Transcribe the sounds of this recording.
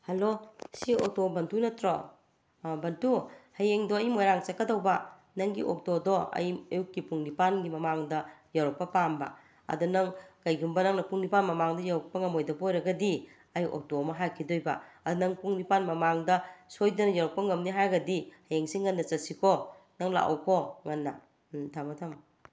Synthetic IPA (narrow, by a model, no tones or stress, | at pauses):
hɐlosio̰k̚tobɐntʰunɐtɾo | bɐntʰuhɐjeŋdoɐjmojɾaŋt͡ʃɐkːɐdɐwbɐ | nɐŋɡḭʔok̚todɔɐ̰jɐjukːipuŋnipanɡimɐmaŋdɐjawɾɔk̚pɐpambɐ̰ | ɐ̰dunɐŋkɐjɡumbɐnɐŋnɐpuŋnipanmɐmaŋdɐjawɾɔk̚pɐŋɐmojdɐbojɾɐɡɐdi | ɐjo̰k̚tɔmɐɦakʰidojbɐɐdunɐŋpuŋnipanmɐmaŋdɐsojdɐnɐjawɾɔk̚pɐŋɐmniɦaɾɡɐdihɐjeŋsiŋːɐnːɐt͡ʃɐsikʰɔ | nɐŋla̰ʔɔ̰wkʰɔŋɐnːɐ | tʰamɐtʰam